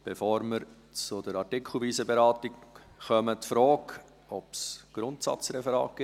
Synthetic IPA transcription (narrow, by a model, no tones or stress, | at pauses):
b̥efoːɾməɾ | t͡sʊdəɾɑɾtɪkʰl̩ˠviːzəbeɾɑːtik | χœmətfɾoːk | ɔpsɡ̥ɾʊntsɑ̰t͡srɛfɛɾɑ̰ːkɡ̥ɪ